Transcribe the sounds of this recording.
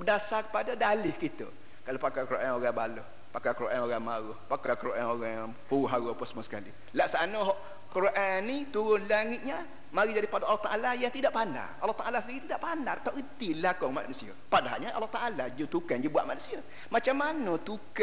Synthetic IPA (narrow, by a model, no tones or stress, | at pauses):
bədasakə̥padadalɪhkit̪ə̰ | kalopakakəɾoʔanoɣaŋbaloh | pakakəɾoʔanoɣamaɣʊhpakakəɾoʔaŋoɣaŋ | huɦaʊhpəsəmasə̥ka̰lḭ | laʔsanoɦɔʔ | kəɾoʔanːit̪uɾʊnlaŋɪt̪̚ɲa | maɾid͡ʒaɾipadaalɔht̪aʔalajaŋt̪idaʔpana̰ralɔht̪aʔalasəndiɾit̪idaʔpanart̪aʔit̪ilakɔŋma̰nusiə̰padaɦa̰ʔɲaʔa̰lɔht̪aʔalad͡ʒut̪ukand͡ʒubuaʔmanusiə | mat͡ʃamːanət̪uk